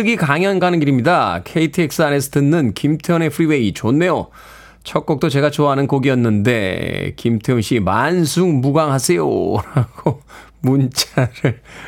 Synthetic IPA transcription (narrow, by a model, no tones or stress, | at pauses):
ɯɡikaŋjʌnɡanɯnɡiɾimɲidakʰeitʰɯek̚s͈ɯane̞sʰʌtɯnːɯnkimtʰeʌne̞pʰɯɾiwe̞it͡ɕonːe̞jo | t͡ɕʰʌk͈ʌk̚t͈ot͡ɕe̞ɡat͡ɕoaɦanɯnkoɡiʌnːɯnde̞̰kimtʰeoŋɕ͈imansʰuŋmuɡaŋɦasʰe̞jo̰ɾaɡ̥o | munt͡ɕ͈aɾɯɭ